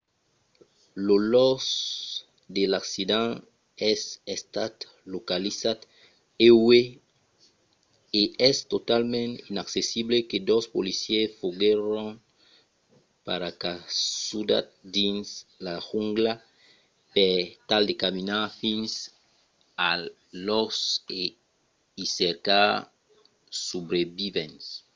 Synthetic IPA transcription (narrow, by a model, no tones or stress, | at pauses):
lolɔs | d̪elaksid̪ãŋ | ɛsest̪at̪ | lokalisat̪ | ewe | eɛst̪ot̪almẽninaksesibleked̪ospolisjesfoɡeɾoŋ | paɾakasud̪a̰t̪̚d̪inslaxuŋɡla | pet̪ald̪ekamĩnafĩns | a | lose | iseɾka | subɾebivẽns